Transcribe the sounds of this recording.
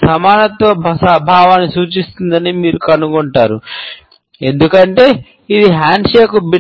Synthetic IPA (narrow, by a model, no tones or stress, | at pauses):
sɐmaːnɐt̪ʋɐbʱsabʱaːʋaːnːisuːt͡ʃist̪und̪ɐnimiːɾukɐnuɡɔɳʈaːɾu | e̞nd̪ukɐɳʈe̞ː | id̪iɦaːɳɖʂeːkubi